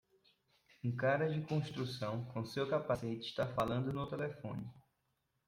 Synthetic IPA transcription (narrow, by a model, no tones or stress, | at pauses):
ũkaɾɐd͡ʒɪkõʃt̪ɾusɐ̃w̃kõsewkapaset͡ʃɪ̥ʃt̪afalɐ̃nd̪ʊnʊt̪elefõnɪ